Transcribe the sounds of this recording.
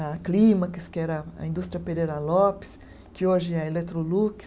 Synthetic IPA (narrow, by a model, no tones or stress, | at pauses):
klĩmɐkɪskɪɛɾɐɐ̰ĩnd̪ust̪ɾiɐpeɾeɾɐlɔpɪ̥s | kɪoʒɪɛɐelet̪ɾolukɪ̥